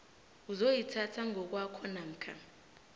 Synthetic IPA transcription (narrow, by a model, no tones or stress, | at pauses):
uzojitʰatʰaŋɔk̬wakʰɔnam̩kʰa̰